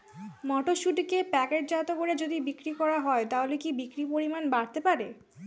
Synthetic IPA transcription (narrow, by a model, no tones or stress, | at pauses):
mɔʈoʃuʈikepɛkeʈ̚d͡ʑat̪okoɽed͡ʑod̪ibikɾikɔɾaɦɔet̪aɦolekibikɾipoɾimanbaɽt̪epaɾe